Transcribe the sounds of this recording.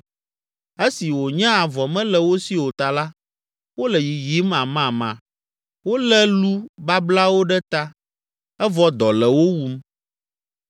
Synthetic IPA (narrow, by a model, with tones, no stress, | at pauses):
e˦si˨wo˨ɲã˦a˨vɔ˨mɛ̃˦lɛ˨wo˦si˦wo˨t̪a˨la˦ | wo˦lɛ˨ji˨ji˦mã˨mã˨mã̰˨ | wo˦lɛ˦lu˦ba˦bla˦wo˦ɖɛ˦t̪a˦ | ɛ˦vɔ˦d̪ɔ˨lɛ˨wo˦wu˦m